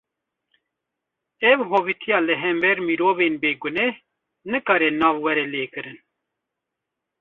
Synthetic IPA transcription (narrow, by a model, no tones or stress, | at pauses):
ɛvɦoːvit̪ʰijɑːlɨɦɛmbɛɾmiɾoːveːnbeːɡʊnɛh | nɨkɑːɾɛnɑːvwɛɾɛleːkɨɾɨn